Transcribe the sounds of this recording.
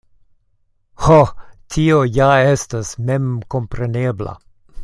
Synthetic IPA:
hɔt̪ʰiːojaɛst̪ɐsmɛmkɔmpɾeneːblɐ̰

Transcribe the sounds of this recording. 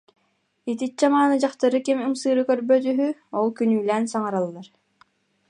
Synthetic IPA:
it̪it͡ɕamaːnɯd͡ʑaχt̪aɾɯkimɯmsɯːɾɯkœɾbœt̪̬yɦyɔlˠkynyːlɛːnsaŋaɾalˠːaɾ

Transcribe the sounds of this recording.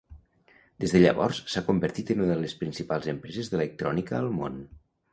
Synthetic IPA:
d̪̥ezðəʎə̰βɔ̰ɾssakumbəɾt̪it̪ənuəlespɾinsipalˠzəmpɾɛzezðələk̚t̪ɾɔnikəːlˠmo̰n

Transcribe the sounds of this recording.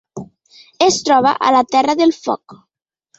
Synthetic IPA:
est̪ɾɔβ̞a̰ʔa̰lat̪ɛraðelfɔ̰k

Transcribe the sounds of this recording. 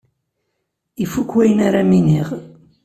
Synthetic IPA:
ifːukːwæjənaɾaminiʁ

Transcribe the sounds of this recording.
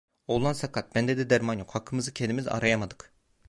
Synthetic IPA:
olˠansakʰat̪̚bænd̪ed̪id̪æɾmanjokhakʰːɯmɯzɯcʰend̪imiza̰ɾajamad̪ɯ̥k

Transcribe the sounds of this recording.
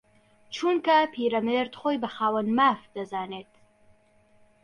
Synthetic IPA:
t͡ʃuːnkɐpʰiːɾɐmeɾd̪χoːjbɐxaːwɐnmaːfd̪ɐzaːneːt̪

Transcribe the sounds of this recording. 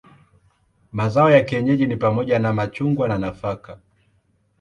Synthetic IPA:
mazaɔjakiɛɲɛʄinipamɔʄanamat͡ʃuŋɡwananafaka

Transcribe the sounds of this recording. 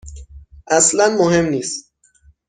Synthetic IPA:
ʔæslænmoɦe̞mniːs

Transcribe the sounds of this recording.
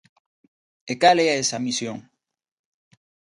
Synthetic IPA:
ekaleaesamisjoŋ

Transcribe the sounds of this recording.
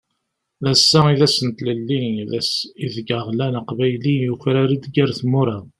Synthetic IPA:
ðæsːæiðæsənt̪ləlːiðsiðəɡəʁlænaqvæjlijuçɾæɾid̪ɡæɾθmʊɾa

